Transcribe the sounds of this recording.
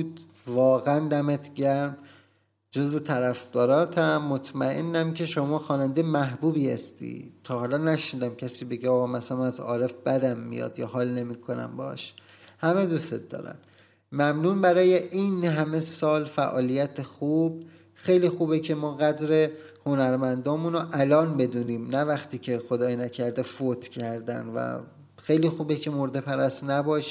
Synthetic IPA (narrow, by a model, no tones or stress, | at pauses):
d̪ | vɒːɣeænd̪æmet̪ʰɟæɾm | d͡ʒo̞zve̞t̪ʰæɾæfd̪̥ɒːɾɒːt̪ʰæmːot̪ʰmæʔḛnːæmcʰe̞ʃomɒːxɒːnænd̪emæɦbuːbiːhæ̰st̪ḭːt̪ʰɒːɦɒːlɒːnæʃniːd̪æmcʰæsiːbe̞ɟeɒːɣɒmæsælæmæzɒːɾe̞fb̥æd̪æmːḭjɒ̰d̪̥jɒːɦɒːlne̞miːkʰo̞næ̰mbɒɒ̰ʃ | hæmed̪ust̪ḛt̪̚d̪ɒ̰ːɾæ̰m | mæmnuːnbæɾɒːje̞ʔinɦæme̞sɒːlfæʔɒːlijæt̪ʰexuːb̥ | xejliːxuːbecʰe̞mɒːɣæd̪ɾe̞ | ho̞næɾmænd̪ɒːmunoʔælɒːnbe̞d̪uːniːmnævæxt̪ʰiːcʰexo̞d̪ɒːjnæcʰæɾd̪efot̪ʰcʰæɾd̪æ̰nvæ̰ | xejliːxuːbecʰe̞moɾd̪e̞pʰæɾæst̪næbɒːʃ